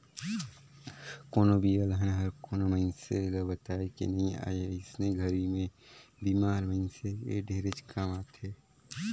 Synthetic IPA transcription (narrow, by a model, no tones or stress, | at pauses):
koːnobʱiəlɦənɦəɾkoːnoməɪnsḛɡəbət̪aːekḭnɐɦĩa̰ːeɪsneɡʱəɾimẽbiːmaːɾməɪnseḛɖʱeːɾet͡ʃkaːmaːt̪ʰe